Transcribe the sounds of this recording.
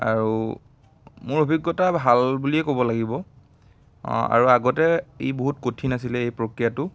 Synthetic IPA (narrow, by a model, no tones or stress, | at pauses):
a̰ɹu | mʊɹobʱiɡːɔtabʱalbuliɛkobɔlaɡibɔ | a̰ɹuaɡɔtɛejboɦutkotʰinas̬ilɛejpɹokɹijatʊ